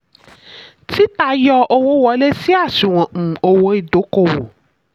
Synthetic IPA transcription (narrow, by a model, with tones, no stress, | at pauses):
ti˦ta˧jɔ˧o˧wo˦wɔ˨˦le˦si˦a˦˨si˨w̃ɔ̃˨o˧wo˧˦i˨do˨˦ko˦˨wo˨